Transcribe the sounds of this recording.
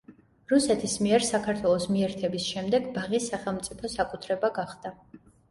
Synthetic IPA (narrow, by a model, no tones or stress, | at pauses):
ɾusɛt̪ʰismiɛɾsakʰaɾt̪ʰwɛlˠɔsmiɛɾt̪ʰɛbisʃɛmd̪ɛɡbaʁisaχɛlˠmt̪sʼipʰɔsakʼut̪ʰɾɛbaɡaχd̪̥a